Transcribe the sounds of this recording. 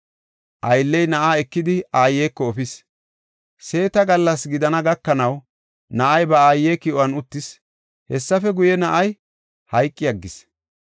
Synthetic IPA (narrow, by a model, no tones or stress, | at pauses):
ʔɐjlːɛjnɐʔaːɛkːɪd̪ɪaːjːeːkːɔɔfɪs | se̞ːt̪ɐɡɐlːɐsɡɪd̪ɐnɐɡɐkːɐnɐw | nɐʔɐjbɐaːjːeːkɪʔɔwɐnʊt̪ːɪs | hɛsːɐfɛɡʊjɛnɐʔɐj | hɐjkʼːɪjɐɡːɪs